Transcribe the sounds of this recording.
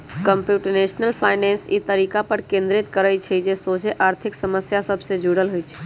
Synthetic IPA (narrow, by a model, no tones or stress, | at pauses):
kəmpjuʈəɾnesnəlpʰaɪnensḭt̪əɾiːkapəɾkẽnd̪ɾɪt̪kəɾət͡ʃʰid͡ʒesod͡ʒeʔaɾt̪ʰɪksəməsjasəbʱsed͡ʒuɽəlɦojt͡ʃʰi̥